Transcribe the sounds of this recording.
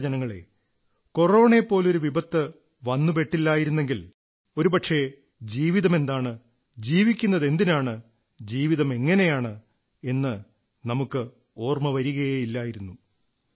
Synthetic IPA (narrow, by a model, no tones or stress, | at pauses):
d͡ʑɐnɐŋːɐɭe̞̰ | ko̞ro̞ːɳe̞pːo̞ːlo̞ɾuʋibɐt̪ːɨ | ʋɐnːupe̞ʈːilːaːjiɾunːe̞ŋɡil | o̞ɾupɐʈʂe̞ | d͡ʑiːʋiðɐme̞nd̪aːɳɨ | d͡ʑiːʋikʲːunːɐðe̞nd̪inaːɳɨ | d͡ʑiːʋiðɐme̞ŋːɐne̞jaːɳɨ | e̞nːɨ | nɐmukːɨ | o̞ːrmɐʋɐɾiɣɐjeilːaːjiɾunːu